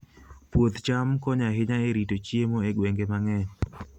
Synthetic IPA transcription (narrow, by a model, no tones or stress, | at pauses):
pwot̪t͡ʃamkɔɲaɦɪɲaeɾitot͡ʃiemoeɡweŋɡemaŋɛ